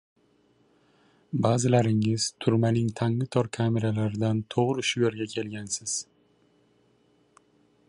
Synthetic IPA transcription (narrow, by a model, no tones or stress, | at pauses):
baːzɪlaɾɪŋɪzt̪ʰʊɾmanɪŋt̪ʰaŋlɪt̪ʰɒɾkʰame̞ɾalaɾɪd̪ant̪ʰoʁɾɪʃʊje̞ɾɡʲakʲʰe̞lɡʲansɪz̥